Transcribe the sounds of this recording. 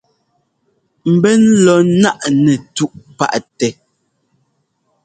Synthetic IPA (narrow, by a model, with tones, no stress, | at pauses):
m̩˨bɛ˦n̩˦lɔ˨˦na˦ʔnɛ˨tu˦ʔpa̰˦ʔtɛ˨